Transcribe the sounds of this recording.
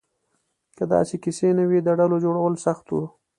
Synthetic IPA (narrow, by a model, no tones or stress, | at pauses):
kəd̪ɑ̰sekisenawid̪əɖalod͡ʒoɽawəlsaxt̪wṵ